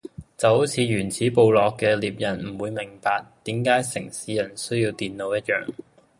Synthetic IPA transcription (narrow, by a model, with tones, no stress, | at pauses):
t͡sɐ˨who˨˥wt͡sʰiː˨˧jyː˨˩nt͡sʰiː˨˥po˨wlɔː˨kːɛː˧liː˨p̚jɐ˨˩nm̩˨˩wuː˨˧jmɪ˨˩ŋpaː˧k̚t̪iː˨˥mkaː˨˥jsɪ˨˩ŋsiː˨˥jɐ˨˩nsɵ˥ɥjiː˧wt̪iː˨nlo˨˧wjɐ˥t̚jœː˨ŋ